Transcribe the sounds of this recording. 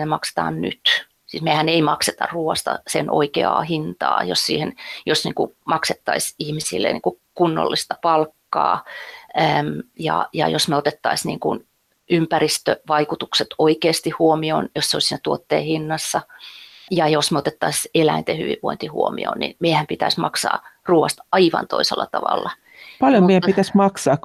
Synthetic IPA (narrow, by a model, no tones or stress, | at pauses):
nemɑkse̥t̪ɑ̰ːnny̰t̪ | siːsmehæneimɑkset̪ɑ̰rruːɑst̪ɑ̰senʔo̰ikeɑ̰ːhint̪ɑ̰ːjossḭːhenjosnḭŋkumɑkset̪ːɑisihmisḭlːḛnḭːku | kunːo̰lːist̪ɑpɑlkːɑ̰ːæːmjɑ̰jɑ̰josmeot̪et̪ːɑisnḭːŋkṵn | ympærist̪ø̰ʋɑikut̪ukset̪oikeːst̪ihhuomio̰njosseolsiːnæt̪uot̪ːḛːhinːɑsːɑ | jɑjosmeot̪et̪ːɑiselæint̪ehyʋḭʋʋoint̪ihṵomḭo̰nnḭnmeihæmpit̪æismɑksɑ̰ːruːʋɑst̪ɑiʋɑ̰nt̪oiselːɑt̪ɑʋɑ̰lːɑ | pɑljomeijæmpit̪æsmɑksɑːk